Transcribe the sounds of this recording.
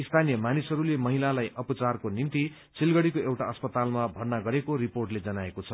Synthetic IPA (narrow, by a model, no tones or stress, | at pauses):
ist̪ʰanijʌmanisɦʌɾulemʌɦilalajʔʌpʌt͡sarkonint̪i | t͡sʰilɡʌɽikoewʈaʌspʌt̪almabʱʌrnaɡʌɾekoɾiporʈled͡zʌnaekot͡sʰʌ